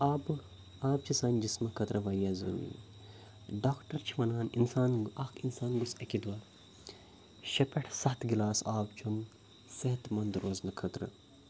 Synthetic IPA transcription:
aːb | aːbt͡ʃʰisɐːnʲd͡ʒismɐkʰɐt̪ɾɨʋɐjazṵːmḭː | ɖaːkʈɐɾt͡ʃʰiʋɐnaːninsaːnɐkʰinsaːnɡusɐkid̪waː | ʃɐpeʈʰsɐt̪ʰɡilaːsaːbt͡ʃʰum | seɦɐt̪mɐnd̪ɾoːznɐkʰɐt̪ɾɨ̰

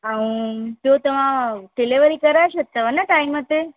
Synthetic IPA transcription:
aũd͡ʒ̪ot̪əmãʈeleʋəɾikəɾaʃot̪ːəʋənəʈaimət̪e

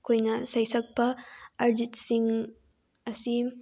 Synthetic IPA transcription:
kojnɐsɐjsɐɡ̚pɐʔɐɾd͡ʒɪt̪siŋ | ɐsi

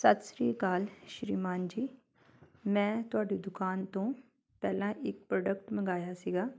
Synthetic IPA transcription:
sət̪sɾiːkaːlʃɾiːmaːnd͡ʒiː | mɛ̃ːt̪ʊaːɖiːd̪ʊkaːnt̪õː | pɛːlãːʔɪk̚pɾoːɖəkʈmə̃ɡaːjaːsiːɡaː

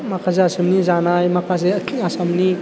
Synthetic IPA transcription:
makʰazeasɯmnizanajmakʰazekʰasamni

